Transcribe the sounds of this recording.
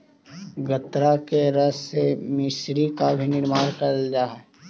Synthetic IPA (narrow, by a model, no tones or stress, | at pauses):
ɡət̪ɾakeɾɐsːemɪsɾikabʱinɪɾmaːɾkɐɾd͡ʒaːɛ